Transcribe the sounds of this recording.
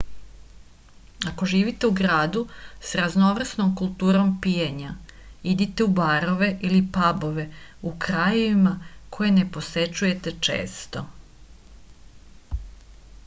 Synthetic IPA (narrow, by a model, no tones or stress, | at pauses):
ako̞ʒiːʋit̪e̞uɡɾaːd̪usɾazno̞ʋr̩sno̞mkulˠt̪uːɾo̞mpijeɲaid̪it̪eubaːɾo̞ʋe̞ʔilipabo̞ʋe̞ukɾajeʋimakʰo̞je̞ne̞po̞se̞t͡ʃuje̞t̪et͡ʃḛːst̪o̞